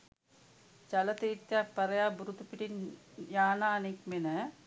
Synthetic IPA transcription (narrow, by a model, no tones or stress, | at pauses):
t͡ɕɐlɐt̪iːt̪ːapɐrɐjaːbuɾut̪ːupːiʈinjaːnaːɐnik̚minɐ